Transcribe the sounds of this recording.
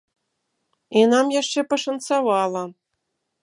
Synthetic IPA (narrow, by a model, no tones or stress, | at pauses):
inɑmjæʂt͡ɕepɤ̆ʂănsɑβɑlˠɤ̆